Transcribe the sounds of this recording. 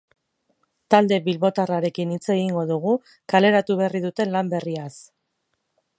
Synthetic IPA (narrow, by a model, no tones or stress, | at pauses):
t̪ald̪e̞βilβo̞t̪araɾe̞kinit͡se̞ɣ̞iŋɡo̞ðuɣ̞u | kale̞ɾat̪uβ̞eriðut̪e̞nlambe̞rias